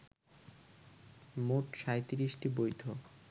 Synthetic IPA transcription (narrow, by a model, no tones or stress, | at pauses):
moʈʃajt̪iɾiʃʈibojt̪o